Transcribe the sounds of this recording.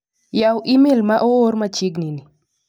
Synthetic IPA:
jawʔimelmaʔooɾmat͡ʃɪɡnini

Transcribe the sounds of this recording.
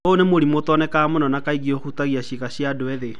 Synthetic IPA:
oonemoɾimotɔnɛkamonɔnakaiɣioxutaɣiaʃiɣaɕjadoɛðe

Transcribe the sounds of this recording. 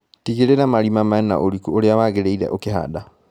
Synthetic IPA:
tiɣeɾeɾamaɾimamaɛna̰ʔoɾikuoɾeawaɣeɾeiɾɛ̰ʔokeɦa̰da

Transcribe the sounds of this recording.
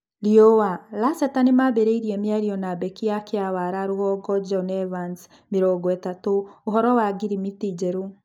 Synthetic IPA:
liɔwalasɛtanemabeɾeiɾiɛmeaɾiɔnabɛkijakeawaɾaɾoɣɔɡɔd͡ʒɔnɛvans | meɾɔːɡɔɛtatoːɦɔɾɔwaɡiɾimitid͡ʑɛɾo

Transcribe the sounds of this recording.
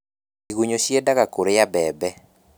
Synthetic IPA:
iɣuɲoʃjedaɣakoɾejabɛbɛ

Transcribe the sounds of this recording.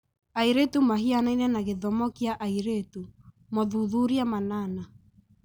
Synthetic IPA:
aiɾetumaɦianainɛnaɣeðɔmɔkiaʔaiɾetu | mɔðuðuɾiamanaːna

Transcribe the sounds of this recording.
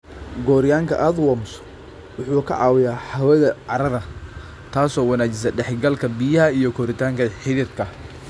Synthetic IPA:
ɡɔːɾɪjaːŋkʰɐʔaːd̪wɔms | wʊħuːkʰɐ̰ʕɑ̰ːwɪjaːħɐwɐðɐʕɑɾɐðɐ | t̪ʰaːsɔːwɐnaːt͡ʃɪs̬ɐɖɛħɡɐlkʰɐbijɐɦɐijɔkʰɔɾɪt̪ʰaːŋkʰɐħɪðɪrkʰɐ

